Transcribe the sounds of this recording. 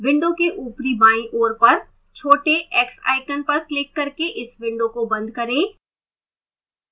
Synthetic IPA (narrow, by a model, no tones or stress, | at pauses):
ʋɪ̃ɳɖõkeʔuːpɾibaːĩʔoːɾpɐɾ | t͡ʃʰoːʈeʔɛːksa̰ːɪkənpɐɾklɪkːɐɾkeʔɪsʋɪ̃ɳɖõkobɐ̃nd̪ʱkɐɾẽː